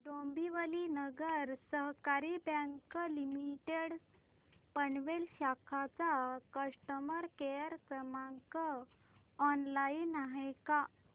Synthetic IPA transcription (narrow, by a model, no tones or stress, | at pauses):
ɖombiʋəlinəɡəɾsəɦkaɾibə̃ŋkəlimiʈeɽ | pəɳʋelɕakʰat͡sakəʂʈəməɾkejəɾkɾəmaŋkə | ɔnlainaɦejka